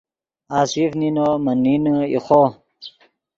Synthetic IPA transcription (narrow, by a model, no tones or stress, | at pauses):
aːsifninomənːinḭxo